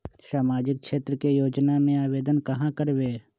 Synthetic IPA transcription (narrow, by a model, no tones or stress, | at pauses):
saːmaːd͡ʒɪk̚ʃʰeːt̪ɾəkejoːd͡ʒnamẽaːʋeːd̪ənkɐɦãkəɾʋeː